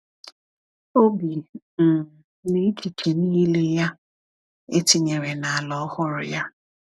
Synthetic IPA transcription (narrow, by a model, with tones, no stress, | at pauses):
o˦bi˨ | m̩˨ | ne˦t͡ʃi˨t͡ʃe˨niː˦le˦ja˦ | e˦ti˨ɲe˨ɾe˨na˨a˨lɔ˦hʊ˦ɾʊ̰˨ja˦